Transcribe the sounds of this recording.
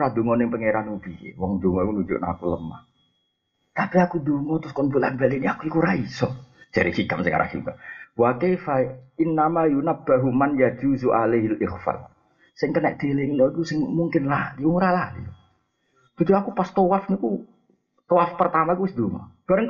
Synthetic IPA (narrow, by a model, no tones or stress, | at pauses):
ɾad̪oŋɔnɪŋpəŋeɾanubiḛwɔŋd̪oŋɔkunud͡ʒʊ̰ʔnaakuləma̰h | t̪apiakudoŋɔt̪ɾʊskɔnbula̰nbaliniakuikuɾaisɔ̥d͡ʒ̥aɾisikamsɪŋa̰ɾʔa̰hiṵna̰wakefainːamajunab̥aɦumanjad͡ʒuzuʔaleɦlʔɪxfa̰l | sɪŋkəna̰ʔ̚d̪̥eleŋinɔikusɪŋmuŋkɪnlahdiuŋɾalahdiu | d̪ud͡ʒuakupast̪owafniku | t̪ɔwafpərt̪amaikuwɪsd̪oŋɔ̰b̥aɾəŋ